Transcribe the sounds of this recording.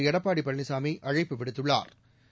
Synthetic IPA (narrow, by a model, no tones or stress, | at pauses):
ɛɽɐpːaːɽipːɐɳːɪsaːmiʔɐɻɐɪpːɯʋɪɽɯt̪ːɯɭːa̰ːɾ